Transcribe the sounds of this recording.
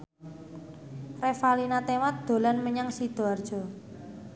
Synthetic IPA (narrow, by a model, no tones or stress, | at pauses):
refalinat̪emat̪̚d̪̥o̤lanməɲaŋsid̪̥o̤ard̥ʒ̥ɔ̤